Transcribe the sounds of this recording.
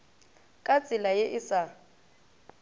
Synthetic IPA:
kʼat͡sʼɪlajɪʔɪsa

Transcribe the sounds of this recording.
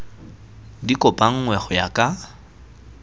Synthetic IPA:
dikʼɔpʼaŋ̩ŋwɛχɔjakʼa

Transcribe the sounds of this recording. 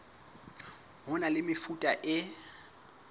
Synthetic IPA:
ɦʊnalɪmɪfutʼaʔɪ

